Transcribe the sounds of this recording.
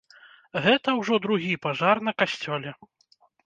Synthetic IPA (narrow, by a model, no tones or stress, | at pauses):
ɣɛt̪ɐwʐɔd̪ɾuɣʲipaʐarnɐkasʲt͡sʲɔlʲɛ